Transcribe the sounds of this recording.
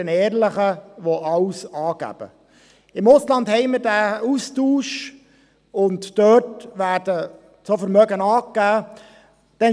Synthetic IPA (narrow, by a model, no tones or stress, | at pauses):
ɛnɛːɾləχəʋoɑwsɑːɡ̥æ̰b̥ə̰ | ɪmʊslɑndhɛɪməɾdæːustuːʃ | ʊntːœːtvæːɾdə | t͡sofəɾmœɡənɑːkːæː | d̥ɛ